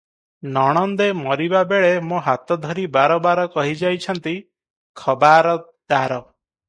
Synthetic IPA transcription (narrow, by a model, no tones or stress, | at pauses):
nɔɽ̃ɔnd̪emɔɾibabeɭemũɦat̪ɔd̪ʱɔɾibaɾɔbaɾɔkɔɦid͡ʒajt͡ʃʰɔnt̪i | kʰɔbaɾɔ | d̪aɾɔ